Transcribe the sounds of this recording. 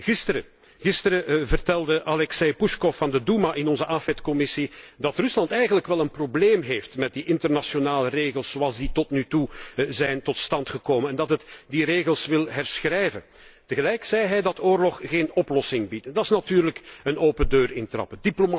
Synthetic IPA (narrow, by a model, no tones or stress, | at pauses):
ɣɪstəɾə | ɣɪstəɾəvərtɛlˠdəʔalɛksejpuʃkɔfːɑndədumaʔɪnɔnzəʔafɛtkɔmɪsidɑtrʏslɑntɛjɣənləkʋɛlˠənprobleːmɦeːftmɛt̚diʔɪntərnasjonaːləreːɣəlˠsz̥owɑlˠzditɔtnytuzɛjntɔtstɑntxəkoːmənɛndɑtətdireːɣəlˠsʋɪlˠɦɛrsxrɛjvə̰n | təɣəlɛjksɛjɦɛjdɑtoːrlɔχɣeːnɔplɔsɪŋbitdɑɪsnatyːrləkənoːpəndøːrɪntrɑ̰pədiploma